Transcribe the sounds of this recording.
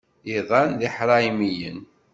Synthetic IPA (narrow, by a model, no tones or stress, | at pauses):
iʁænðiħɾˤɑimijə̰n